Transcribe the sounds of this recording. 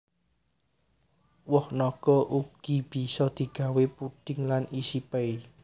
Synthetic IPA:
wɔhnɔkɔʔukɡ̥ib̥i̤sɔd̪̥i̤ɡ̥a̤wepuɖ̥ɪŋlanisipɛj

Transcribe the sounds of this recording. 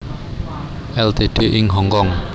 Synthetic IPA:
ʔɛlt̪eɖ̪̥eʔɪŋɦɔŋkɔŋ

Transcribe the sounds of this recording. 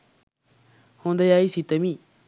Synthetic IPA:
hõːnd̪ɐjaːisit̪ɐmĩ

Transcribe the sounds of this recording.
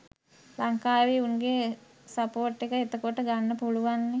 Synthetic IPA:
laŋkaːʋiunɡe | sapoːʈːekəet̪əkoʈəɡanːəpuluʋanːe

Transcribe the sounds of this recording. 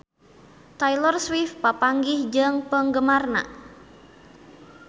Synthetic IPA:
t̪ajlɔrswifpapaŋɡɪhd͡ʒəŋpəŋɡəmarna̰

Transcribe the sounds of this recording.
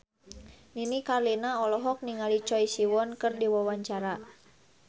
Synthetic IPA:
ninikarlinaɔlɔɦɔk̚niŋalit͡ʃɔisiwɔnkərdiwawaɲt͡ʃaɾa

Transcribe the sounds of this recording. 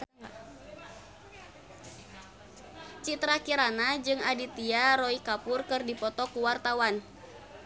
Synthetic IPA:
t͡ʃit̪ɾakiɾanad͡ʒɨŋadit̪iaɾɔikapʊrkɨrdipɔt̪ɔkuwart̪awan

